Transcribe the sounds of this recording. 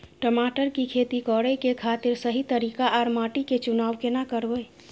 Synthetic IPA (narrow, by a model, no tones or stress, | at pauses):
ʈəmaʈəɾkikʰet̪ikɔɾəkekʰat̪iɾsəɦit̪əɾikaʔaɾmaʈiket͡ʃunaʋkenakəɾbəj